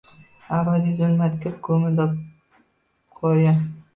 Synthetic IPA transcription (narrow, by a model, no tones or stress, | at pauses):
abad̪izʊlmat̪kʲʰap̚kʰɵmɪd̪a | qʰoja